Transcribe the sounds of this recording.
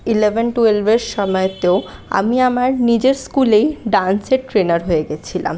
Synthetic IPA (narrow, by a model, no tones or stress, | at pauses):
ilebenʈuelbʱeɾʃɔmɔet̪eoa̰miamaɾnid͡ʑeɾskulejɖanseʈɾenaɾɦoeɡet͡ɕʰila̰m